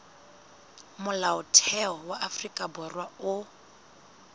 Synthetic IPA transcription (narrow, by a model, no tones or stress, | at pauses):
mʊlaʊtʰɛɔwaʔafrikʼabɔrwaʊ